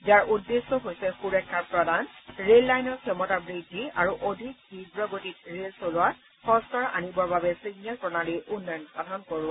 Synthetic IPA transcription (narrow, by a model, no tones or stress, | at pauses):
zaɹʔudːesːɔɦojsɛxuɹɛkʰːaɹpɹɔdʱanɹelːajnɔɹkʰɛmɔtabɹidʱːiaɹuʔodʱik̚hidɹɔɡotit̚ɹelsolʊat | xɔskaɹa̰nibɔɹbabɛsiɡnalpɹɔnaɹiʔʊnːɔjɔnɔxadʱɔnkoɹʊ̃